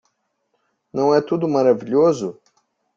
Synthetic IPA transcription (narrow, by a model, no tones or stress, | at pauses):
nɐ̃w̃ɛt̪ud̪ʊmaɾaviʎozʊ